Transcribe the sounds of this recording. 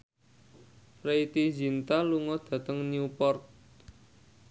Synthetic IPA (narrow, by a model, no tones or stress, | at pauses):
pɾeit̪id͡ʒint̪aluŋɔd̪̥ä̤t̪əŋniupɔrt̪̚